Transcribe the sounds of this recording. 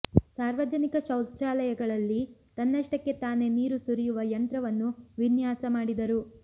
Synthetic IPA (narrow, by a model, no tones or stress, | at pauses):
saːɾʋɐd͡ʒɐnikɐʃɐwt̪t͡ʃaːlɐjɐɡɐɭɐlːit̪ɐnːɐʂʈɐkːe̞t̪aːne̞niːɾusuɾijuʋɐjɐnt̪ɾɐʋɐnːuʋinjaːsɐmaːɽid̪ɐɾu